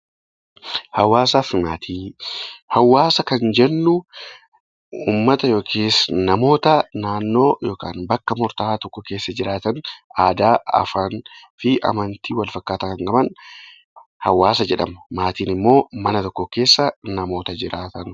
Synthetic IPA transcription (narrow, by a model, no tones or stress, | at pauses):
hɐwaːsaːfmaːt̪ʰiːhɐwːaːsɐkɐnd͡ʒɛnːʊ | uːmːɐt̪ɐjo̞ːkʰeːsnɐmo̞ːt̪ɐnaːnːo̞ːjo̞ːka̰ːnbɐkːɐmɔɾt̪ɐhaːt̪ɔkːɔke̞ːsːɐd͡ʒɪɾaːt̪ɐnaːd̪aːɐ̰faːnfɪʔɐ̰mɐnt̪iːwɐlfɐkːaːt̪ɐkɐŋɡɐmɐn | hɐwaːsɐd͡ʒɛᶑɐ̰mɐmaːt̪iːnɪmːo̞ːmɐnɐt̪ɔkːɔke̞ːsːɐnɐmo̞ːt̪ɐd͡ʒɪɾʔaːt̪ɐn